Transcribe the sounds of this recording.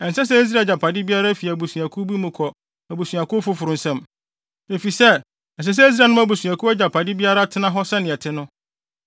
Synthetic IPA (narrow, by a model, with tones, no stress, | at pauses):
ɛ˨n̩˨sɛ˦s̬ɛ˦e˦s̬ɾa˨d͡ʑa˨pʰa˨dɪ˦bi˦a˦ɾa˦fi˨æ˨bu˨su˨a˨kʰʊ˦bi˦mũ˨kʰɔ˨ | æ˨bu˨sũ˨a˨kʊ˦fʊ˦fʊ˨ɾʊ˨˦n̩˦sɛ̃˦m | e˨fi˨sɛ˦˨ | ɛ˨s̬ɛ˦s̬ɛ˦e˦s̬ɾa˨nʊ̃˦æ˦bu˨sũ˨a˨kʰʊ˦æ˦d͡ʑa˨pʰa˨dɪ˦bi˦a˦ɾa˦tʰɪ˦nã˦ɦɔ˦sɛ˦nɪ̃˨ɛ˨tʰɪ˦nʊ̃˦